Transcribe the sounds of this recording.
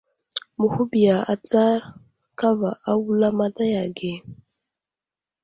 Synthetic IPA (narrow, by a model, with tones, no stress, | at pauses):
mu˨hu˦bi˨ja˨a̰˨t͡sa˦ɾ | ka˦va˨ʔa˦wu˦la˦ma˦da˦ja˨ɡe˨